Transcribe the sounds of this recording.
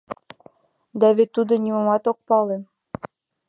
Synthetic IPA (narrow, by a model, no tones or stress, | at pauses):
d̪æβet̪ːud̪ɤ̆nʲimomɑt̪ok̚pɑle